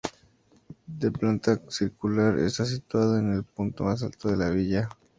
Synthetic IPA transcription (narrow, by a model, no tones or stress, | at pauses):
d̪eplant̪asiɾkulaɾḛst̪as̬it̪waðoene̞lp̚unt̪o̞mas̬alt̪oðe̞laβiʝa